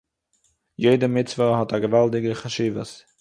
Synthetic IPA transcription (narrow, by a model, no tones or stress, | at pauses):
jeɪdəmɪt͡svəɦɔtaɡəvalˠdɪɡəχaʃiːvə̰s